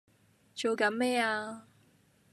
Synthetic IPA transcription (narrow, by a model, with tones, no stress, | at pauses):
t͡ʃo˨wkɐ˨˥nmɛː˥aː˧